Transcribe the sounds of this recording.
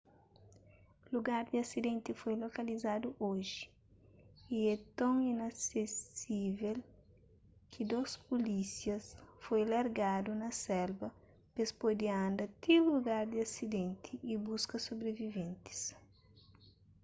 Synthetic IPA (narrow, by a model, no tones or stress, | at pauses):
luɡaɾd̪iasid̪ẽnt̪ifojlokɐlizad̪uʔoʒi̥ | iɛt̪õŋinasesivel | kʰid̪ospolisjɐsfojlaɾɡad̪unɐsɛlbɐ | pespojd̪iãnd̪ɐt̪iluɡaɾd̪iasid̪ẽnt̪ʰiːbuskɐsobɾevivẽnt̪i̥s